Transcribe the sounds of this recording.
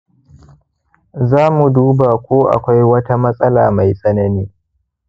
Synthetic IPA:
zaː˦mu˨duː˦ba˨kʷoː˦ʔa̰˨kʷa˦jwɐ˦ta˦mɐ˦sʼɐ˦laː˨ma˨jsʼɐ˦nɐ˦niː˦

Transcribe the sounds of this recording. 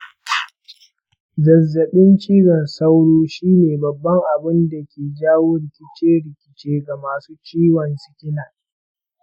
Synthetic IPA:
zɐ˨zːɐ˨ɓɪ˦nt͡ʃiː˦ɽɐ˨nsɐ˦wɽoː˦ʃiː˦neː˨bɐ˨bːɐ˦ŋʔa˨bɪ˦nda˨kʲeː˨d͡ʒaː˦woː˦ɽɪ˨kʲɪ˦t͡ʃeː˦ɽɪ˨kʲɪ˨t͡ʃeː˦ɡa˨maː˨suː˦t͡ʃiː˦wɐ˨nsɪ̥˦kʲɪ˦naː˨

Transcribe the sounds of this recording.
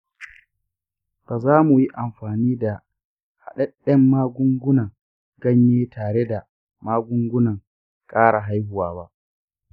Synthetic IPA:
b̥aː˨zaː˦mu˨ji˦ʔa˨mɸaː˨niː˦da˨ | ha̰˨ɗɛ˦ɗɛ˦mːaː˦ɡʊ˦ŋɡʷʊ˦nɐ˨ŋ | ɡɐ˦ɲjeː˦tʰaː˨ɽe˦da˨ | maː˦ɡʷʊ˦ŋɡʷʊ˦nɐ˨ŋ | kʼaː˦ɽa˨ɦa˦jhʊ˦waː˦ba˦ʔ

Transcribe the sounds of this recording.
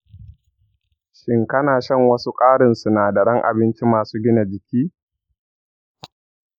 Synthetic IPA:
ʃɪ˦ŋkɐ˦naː˨ʃɐ˦˨ŋwɐ˦su˦kʼaː˦ɽɪ˨nsu˨naː˨da˨ɽɐ˦ŋʔa̰˨bɪ˦nt͡ʃi˦maː˨suː˦ɡʲɪ˦na˨d͡ʒɪ˨kʲiː˦

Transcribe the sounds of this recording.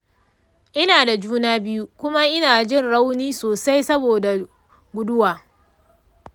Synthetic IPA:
ʔɪ˦naː˨da˨d͡ʒuː˦naː˦bɪ˦ju˦kʷʊ˦ma˦ʔɪ˦naː˨d͡ʒɪ˦˨nɽa˦wniː˦soː˨sa˦jsɐ˦boː˨da˨ | ɡʷʊ˨dʊ˦waː˨

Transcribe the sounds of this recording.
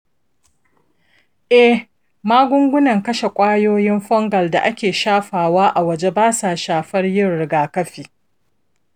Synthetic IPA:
ʔɛ˦ | maː˦ɡʷʊ˦ŋɡʷʊ˦nɐ˨ŋkɐ˦ʃe˨kʷʼaː˦joː˦jɪ˦mɸɔ˦ŋɡɐ˨lda̰˨ʔa˦kʲeː˨ʃaː˦ɸaː˨waː˦ʔa˨wɐ˨d͡ʒe˦baː˦saː˨ʃaː˨ɸɐ˦rjɪ˦rɾɪ˨ɡaː˨kɐ˦ɸiː˨

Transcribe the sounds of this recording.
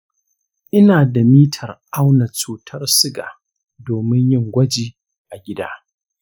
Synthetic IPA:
ʔɪ˦naː˨da˨miː˦tʰɐ˨rʔa˦wnɐ˨t͡ʃuː˨tʰɐ˦rsɪ˦ɡa̰ː˨ | doː˨mɪ˦ɲjɪ˦˨ŋɡʷɐ˦d͡ʒiː˦ | ʔa˨ɡʲɪ˦da̰ː˦

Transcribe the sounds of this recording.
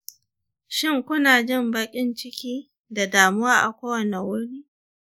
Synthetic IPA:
ʃɪ˦˨ŋkʷʊ˦naː˨d͡ʒɪ˦˨mbɐ˦kʲʼɪ˦nt͡ʃɪ˦kʲiː˦ | da˨daː˨mʊ˦waː˦ʔa̰˨kʷoː˦wɐ˨ne˨wʊ˦ɽiː˦

